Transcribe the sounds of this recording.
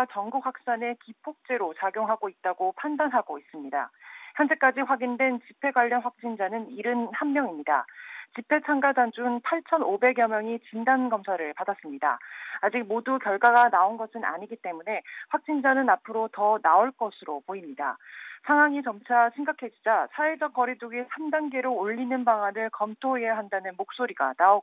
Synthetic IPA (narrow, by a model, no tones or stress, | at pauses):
t͡ɕʌŋɡuk̚ɸwak̚s͈ane̞kipʰok̚t͡ɕ͈e̞ɾot͡ɕaɡjoŋɦaɡoit̚t͈aɡopʰandanɦaɡois͈ɯmɲida̰çjʌnd͡ʑe̞k͈ad͡ʑiɸwaɡindwe̞nt͡ɕipʰe̞ɡwaʎːjʌnɸwak̚t͡ɕ͈ind͡ʑanɯniɾɯnhammjʌŋimɲida̰t͡ɕipʰe̞t͡ɕʰaŋɡadand͡ʑunpʰaɭt͡ɕʰʌnobe̞ɡjʌmjʌŋit͡ɕindanɡʌmsʰaɾɯɭpadas͈ɯmɲida̰ːd͡ʑik̚modukjʌɭɡwaɡanaonɡʌsʰɯna̰ɲiɡit͈e̞mune̞ɸwak̚t͡ɕ͈ind͡ʑanɯnapʰɯɾotʌnaoɭk͈ʌsʰɯɾopoimɲida̰sʰaŋɦwaŋit͡ɕʌmt͡ɕʰaɕʰiŋɡakʰe̞d͡ʑid͡ʑasʰaed͡ʑʌk͈ʌɾiduɡesʰamdaŋɡe̞ɾoːʎːinɯnbaŋanɯɭkʌmtʰoeɦejɦandanɯnmok̚s͈oɾiɡa̰nao